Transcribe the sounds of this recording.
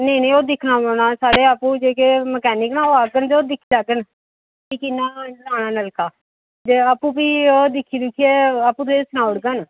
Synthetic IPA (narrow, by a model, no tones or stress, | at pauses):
nẽiːnẽːoːd̪ɪkʰnaːmoːɳaːsaːɽeːaːpũːd͡ʒeːkeməkɛːnɪknãːoːaːkənd̪eoːd̪ɪkʰːiːlaːkən | kiːkɪnːãːlaːnaːnəlkaː | d͡ʒ̪eaːpũːpiːoːd̪ɪkʰːiːd̪ʊkʰːieːapũːt̪õesnaːʊɽkən